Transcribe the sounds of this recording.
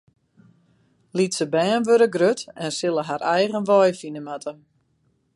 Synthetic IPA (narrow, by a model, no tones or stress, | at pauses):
litsəbɛːnʋøɾəɡrøtɛnsɪlˠəɦaɾɛjɣənʋɔjfinəmatʰə